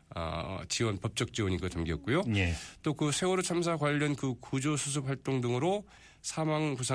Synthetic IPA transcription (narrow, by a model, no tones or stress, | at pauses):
ʌ̰t͡ɕiwʌnpʌp̚t͡ɕ͈ʌk̚t͡ɕ͈iwʌɲiɡʌt͡ɕamɡiʌt̚k͈ujot͈okɯsʰe̞uɾot͡ɕʰams̬ʰakwaʎːʌnkɯkud͡ʑosʰus̬ʰɯp̚ɸwaɭt͈oŋdɯŋɯɾo | sʰamaŋpusʰa